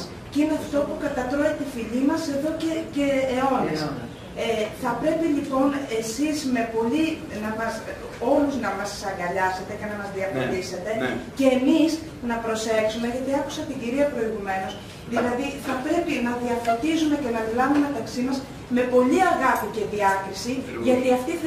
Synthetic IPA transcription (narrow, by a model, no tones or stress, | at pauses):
cineɐft̪o̞pukɐt̪ɐt̪ɾoet̪ifiʎimɐse̞ðo̞cece̞ːo̞nio | eθɐpɾe̞pilipo̞ne̞sizme̞po̞ʎinɐmɐs | o̞luznɐmɐssɐŋɡɐʎɐse̞t̪e̞cenɐmɐzðiɐfɾot̪ise̞t̪e̞ce̞ːmiz | nɐpɾo̞se̞ksume̞ʝɐt̪iɐku̥sɐt̪iɟiɾiɐpɾo̞iɣume̞no̞s | ðilɐðiθɐpɾe̞pinɐðiɐfɾot̪izume̞ce̞nɐmilɐvumemet̪ɐksimɐz | me̞po̞ʎiɐɣɐfice̞ðiɐkɾisiʝɐt̪iɐft̪i